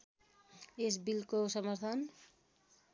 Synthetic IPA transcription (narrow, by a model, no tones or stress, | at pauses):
es̬bilkosʌmaɾt̪ʰan